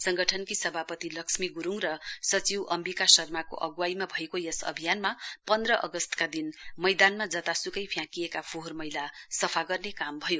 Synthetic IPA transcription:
sʌŋɡʌʈʰʌnkisʌbʱapʌt̪ilʌksmiɡuɾuŋrʌsʌt͡siwʔʌmbikasʌrmako̰ʔʌɡwajmabʱʌekojesʌ̰bʱijanmapʌnd̪rʌʔʌɡʌst̪kad̪inmʌjd̪anmad͡zʌt̪asukʌjpʰjãkijekapʰoɦormʌjlasʌpʰaɡʌrnekambʱʌjo

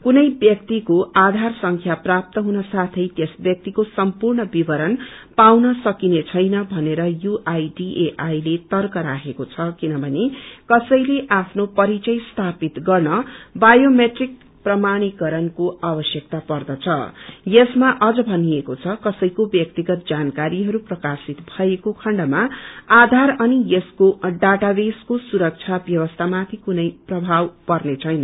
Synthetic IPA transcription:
kunʌjbjʌk̚t̪ikoʔad̪ʱarsʌŋkʰjaprap̚t̪ʌɦunʌsat̪ʰʌjt̪jesbjʌk̚t̪ikosʌmpurɳʌbibʱʌɾʌnpawnʌsʌkinet͡sʰʌjnʌbʱʌneɾʌjuʔajɖiʔeʔajlet̪ʌrkʌɾaɦʰekot͡sʰʌkinʌbʱʌnekʌsʌjleʔapʰnopʌɾit͡sʌjst̪ʰapit̪ɡʌrnʌbajomeʈrik̚ | prʌmaɽ̃ikʌɾʌnkoʔabʌsjʌk̚t̪apʌrd̪ʌt͡sʰʌjesmaʔʌd͡zʌbʱʌnijekot͡sʰʌkʌsʌjkobjʌk̚t̪iɡʌt̪̚d͡zankaɾiɦʌɾuprʌkasit̪bʱʌekokʰʌɳɖʌmaad̪ʱaɾʌnijeskoɖaʈabeskosuɾʌk̚t͡sʰabjʌβʌst̪ʰamat̪ʰikunʌjprʌbʱawpʌrnet͡sʰʌjnʌ

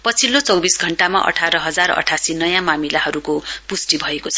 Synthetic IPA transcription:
pʌt͡sʰilot͡sʌwbisɡʱʌɳʈama̰ʔʌ̰ʈʰaɾʌɦʌd͡zarʌ̰ʈʰasinʌjãmamilaɦʌɾukopusʈibʱʌekot͡sʰʌ

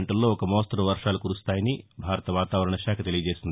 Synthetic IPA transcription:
ɳʈɐlːo̞ːɔkɐmoːst̪ɾɐʋɐɾʂaːlukuɾust̪aːjɐnibʱaːɾɐt̪ɐʋaːt̪aːʋɐɾɐɳɐʃaːkʰɐt̪e̞lijɐd͡ʒeːsind̪

